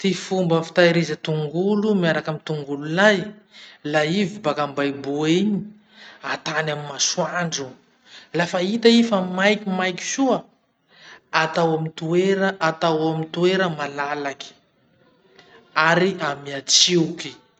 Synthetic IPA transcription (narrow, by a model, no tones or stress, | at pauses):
t̪ifumbəfi̥t̪aiɾizət̪uŋɡulumiaɾakamit̪uŋɡululajlaivibakambajbuiɲi | at̪anamimasuaɳɖ͡ʐu | lafait̪aifamajkimajki̥suə | at̪awamint̪ueɾəʔat̪awamint̪ueɾəmalalaki̥ | aɾiamiat͡siuki̥